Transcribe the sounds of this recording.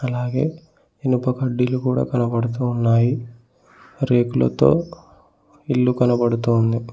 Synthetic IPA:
ɐlaːɡe̞ː | enupɐkɐɖːilukuːɽa̰ːkɐnɐbɐɽut̪̬uːnːaːji | ɾe̞ːkulɐ̰t̪o̞̰ː | ilːukɐnɐbɐɽut̪uːnd̪i

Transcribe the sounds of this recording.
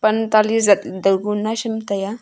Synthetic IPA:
pənt̪alisd͡zad̪əɡunːaɕimt̪aja

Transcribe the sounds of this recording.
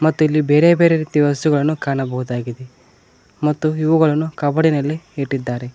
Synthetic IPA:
mɐt̪ːuilːibeːɾeɐbeːɾeɾiːt̪iʋɐst̪uɡɐɭɐnːukaːɳɐbɐɦud̪aːɡid̪e | mɐt̪ːuiʋɐɡɐɭɐnːukɐbɐɽinɐlːeeʈːid̪ːaːɾe

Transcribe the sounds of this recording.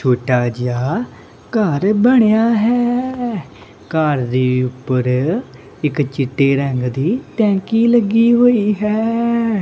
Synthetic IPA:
t͡ʃʰoːʈaːd͡ʒjaː | kəɾbəɽ̃jaːɦɛː | kəɾd̪iːʊpːəɾ | ɪkt͡ʃɪʈːeːɾɛ̃ŋɡd̪iːt̪ɛ̃ːkiːləɡiːɦoːiːɦɛː

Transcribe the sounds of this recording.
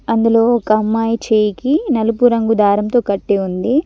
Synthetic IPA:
ɐnd̪ulo̞ːkɐmːaːjit͡ʃeːjikinɐlupuɾɐŋɡud̪aːɾɐmt̪o̞ːkɐʈːeːund̪i

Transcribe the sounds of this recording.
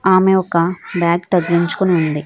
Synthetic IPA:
aːmeɔkɐbjaːɡt̪ɐɡliɲt͡ʃu̥koniund̪i

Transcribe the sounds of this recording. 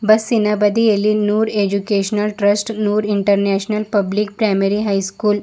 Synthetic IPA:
bəsːinabad̪ijeliːnuːɾed͡ʑukeɕnəlʈɾəsʈnuːɾiɳʈəɾnɛɕnəlpəblik̚pɾajmeɾiɦajskuːl

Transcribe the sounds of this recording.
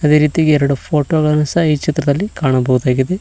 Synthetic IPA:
ɐd̪eːɾiːt̪iɡeɛɾɐɽupʰo̞ːʈoːɡɐɭɐnɐsɐɦɐiːt͡ʃit̪ɾɐd̪ɐlːikaːɳɐbɐɣud̪aːɡid̪e

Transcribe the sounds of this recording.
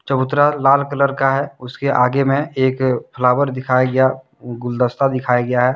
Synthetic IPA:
t͡ʃəbʊt̪ːɾalaːlkələɾkaɦɛʊskeʔaːɡemẽeːkpʰəlaːbəɾd̪ɪkʰaːjaɡɐja | ɡʊld̪əst̪ad̪ɪkʰaːjaɡɐjaɦɛː

